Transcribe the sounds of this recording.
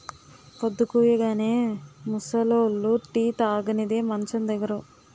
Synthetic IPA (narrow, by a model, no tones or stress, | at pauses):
kod̪ːukuːjɐɡaːneːmusɐloːlːuʈiːt̪aːɡɐnid̪eːmɐnt͡ʃɐnd̪ɐɡːɐɾɐ